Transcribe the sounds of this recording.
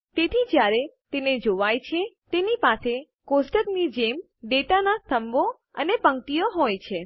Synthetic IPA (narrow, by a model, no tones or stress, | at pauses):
t̪et̪ʰid͡ʒjaɾet̪ened͡ʒoʋajt͡ʃʰet̪enipase | kosʈəknid͡ʒem | ɖeʈanast̪ʰəmbo | ənepəŋkʈijoɦojt͡ʃʰe